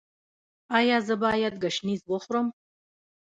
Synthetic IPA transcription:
aːjaːzɐbaːjad̪̚ɡɐʃnizwɔχʷrɐm

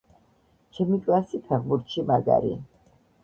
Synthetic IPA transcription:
t͡ʃʰɛmikʼiasipʰɛʁbuɾt̪ʃimaɡa̰ɾḭ

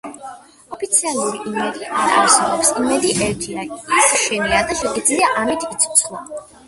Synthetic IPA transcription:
ɔpʰit̪sʰialˠuɾiʔimɛd̪iʔaɾaa̰ɾsɛbɔpsimɛd̪iʔɛɾt̪ʰiaisʃɛniad̪aʃɛɡid̪zliaʔamit̪ʰit̪sʰɔ̥t̪sʰlˠa

